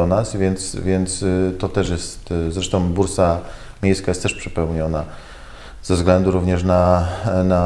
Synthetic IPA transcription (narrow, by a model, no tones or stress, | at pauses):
ɔnasvʲjɛnt̪svʲjɛnt̪st̪ɔt̪ɛʂjɛst̪zɾɛʂt̪ɔ̃w̃buɾsa | mʲjejskajɛst̪ɛʂpʂɘpɛwɲɔna | z̥ɛvzɡlɛnd̪uɾuvɲɛʂnana